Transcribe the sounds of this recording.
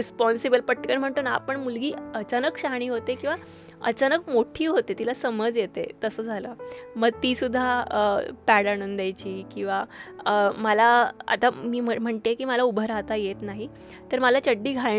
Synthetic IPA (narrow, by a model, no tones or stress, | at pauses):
ɾispɔnsibəlpəʈkəɳm̤əɳt̪uːnaa̰pəɳmulɡiːət͡ɕanəkɕaɦɳ̃iːɦot̪ekĩw̃ʋa | ə̰t͡ɕanəkmoʈʰiːɦot̪et̪ilasəməd͡zjet̪ḛt̪əsəːd͡zʱaləːməɡ̚t̪iːsud̪ʱːaəpæɽanənd̪ajt͡ɕiːkĩw̃ʋaəməlaa̰t̪amiːməm̤əɳt̪ekiːməlaubʱəɾɦat̪ajet̪naɦi | t̪əɾməlat͡ɕəɖːiːɡʱa